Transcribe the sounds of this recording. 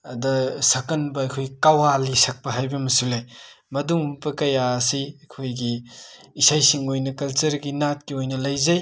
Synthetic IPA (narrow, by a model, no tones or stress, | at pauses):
ɐdɐsɐkɐnbɐɐjkʰojkawalisɐk̚pɐɦajbɐmɐsulej | mɐduŋbɐkɐjaɐsiɐkʰojɡiː | sajsiŋojnɐkɐlt͡ʃɐɾɡinat̚kiojnɐlɐjzɐj